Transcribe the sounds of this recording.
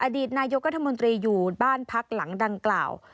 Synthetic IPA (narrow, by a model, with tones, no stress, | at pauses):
ʔa˧diː˨˩t̪̚naː˧jo˦˥k̚ɾa˦˥t̪ʰːa˧mo˧nt̪ɾiː˧juː˨˩baː˥˩npʰa˦˥k̚la˩˦ŋda˧ŋkla̰ː˨˩w